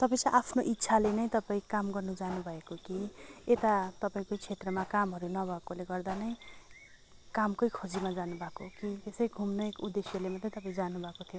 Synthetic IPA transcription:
t̪ʌpaĩt͡sãj̃ʔapʰnoʔit̪ːsʰalenʌj̃t̪ʌpaĩkamɡʌrnud͡zanubʱʌekokiet̪at̪ʌpaĩkot͡sʰet̪rʌmakamɦʌɾunʌbʱʌekoleɡʌrd̪anʌj̃ | kamkʌjkʰod͡zimad͡zanubʱakokit̪esʌjɡʱumnʌjkud̪ːesjʌlemʌt̪reit̪ʌp̬aĩd͡zanubʱʌkot̪ʰijo

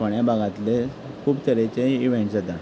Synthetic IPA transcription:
əɳjabaɡãt̪le | kʰuːbt̪ʰəɾet͡ɕeiʋẽɳʈsət̪a

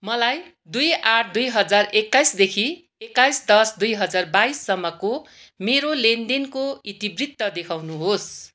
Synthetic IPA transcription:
mʌlaj | d̪ujaʈʰd̪ujɦʌd͡zarekːajsd̪ekʰi | ekːajsd̪ʌsd̪ujɦʌd͡zarbaisːʌmːʌko | meɾolend̪inkoit̪ibrit̪ːʌd̪ekʰawnuɦos

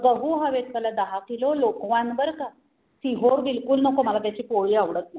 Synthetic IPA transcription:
ɡəɦuɦaʋet̪talad̪əɦakilolokʋãnbəɾka | siɦoɾbilkulnɔkoməlat̪jat͡ɕiːpoɭiːaʋɽət̪na

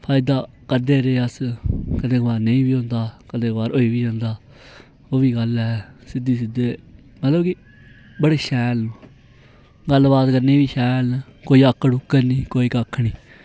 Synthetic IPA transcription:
pʰaːɪd̪aː | kəd̪eːɾeːəskəd̪ẽːkbaːɾneĩːbiːɦõːnd̪aːkəd̪eːkbaːɾoːiːʋiːə̃ːnd̪aː | oːiːɡəlɛːsɪd̪iːs̬ɪd̪eː | mət̪ləbki | bəɽeːʃɛːlː | ɡəlːbaːt̪kənːẽːbiːʃɛːlkoːiːəkːɽʊkːəniːkoːiːkəkʰːɳiː

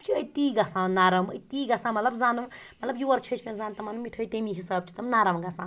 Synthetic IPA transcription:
t͡ʃʰiəit̪iːɡɐsãːnaːɾɐmɐjt̪iːɡɐsãːmɐt̪lɐbzaːnumɐt̪lɐbjuʋɐɾt͡ʃʰɐt͡ʃʰmẽzaːnt̪ɐmanumiʈʰoːit̪emiɦisaːb̚t͡ʃʰi̥t̪ɐmnaːɾɐmɡɐsãː

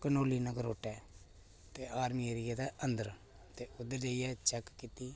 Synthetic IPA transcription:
kənoːliːnəɡəɾoːʈɛː | t̪eːʔaːɾmiːeɾɪjaːd̪aːənd̪əɾ | t̪eːʊd̪ːəɾd͡ʒaːijɛːt͡ʃɛkkɪt̪iː

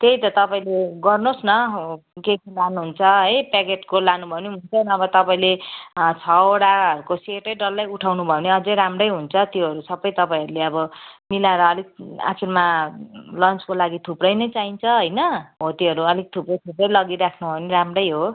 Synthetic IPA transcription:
t̪ejt̪ʌt̪ʌpaĩleɡʌrnosnʌkekilanuɦunt͡sʰʌɦʌjpakeʈkolanubʱʌoneɦunt͡sʰʌnʌbʌt̪ʌpaĩlet͡sʰʌoɽaɦʌɾukoseʈʌjɖʌlːajuʈʰawnubʱʌoneʌd͡zʌjɾamrʌjɦunt͡sʰʌt̪joɦʌɾusʌbʌjt̪ʌpaĩɦʌɾuleʌbʌmilaɾʌːleɡ̚a̰kʰirma | lʌnt͡skolaɡit̪ʰuprʌjnʌjt͡saint͡sʰʌɦʌjnʌɦot̪jeɦʌɾuʌleɡ̚t̪ʰuprʌjt̪ʰuprʌjlʌɡiɾakʰnubʱʌeneɾamrʌjɦo

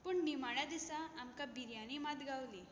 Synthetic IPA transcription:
puɳnimaɭad̪isaːmkabiɾjanimat̪ɡʱawli

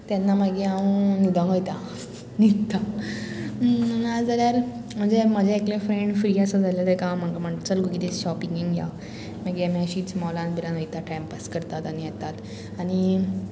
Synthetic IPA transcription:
t̪janːaməɡiaũnud̪ãŋɡəjt̪a | nid̪t̪ʰːa | ad͡zaljaɾm̤əɳd͡zeməd͡zeeklefɾeɳɖfɾiːəsəd͡zaljad̪əkãm̤əŋkam̤əʈt͡səlɡokit̪eɕɔpiŋɡiŋɡɡʱja̰ | məɡiamiəɕiːsmɔlãnbʱiɾãnʋəjt̪aʈʰɛmpəskəɾt̪at̪añijɛt̪at̪ | aɽ̃i

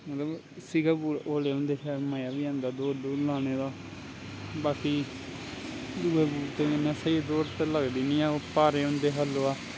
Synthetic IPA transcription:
mət̪ləb | siɡaːbuːɾʔoːleːõːnd̪eːʃaːmaːjaːʋiːãːnd̪aːd̪oːɖoːlãːneːd̪aː | baːkiː | d̪uːeːbuːɾt̪eːɪnːãːsəed̪oːɾt̪eləɡd̪iːnĩːaːoːpaːɾeːõːnd̪eːɦəloːaː

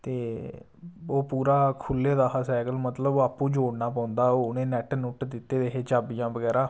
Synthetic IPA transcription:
t̪eː | oːpuːɾaːkʰʊlːeːd̪aːɦasɛːkəlmət̪ləboaːpːũːd͡ʒoːɽnaːpãːʊ̃nd̪aːoːʊnẽːnɛːʈnʊʈd̪ɪt̪ːeːd̪eɦeːt͡ʃaːbijãːbəɡɛːɾaː

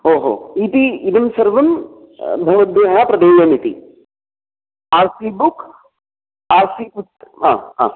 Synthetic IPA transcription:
oːɦo̰ːit̪iid̪ɐmsɐɾʋɐm | bʱɐʋɐd̪eːɦapɾɐd̪eːjɐmit̪ḭ | aːɾsibuk | aːɾsiput̪aːɦa̰ː

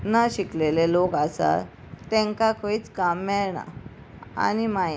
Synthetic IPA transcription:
naɕiklelelokasa̰ | t̪ɛ̃ŋkakʰoit͡skamːɛɭɳa̰ | a̰nimai

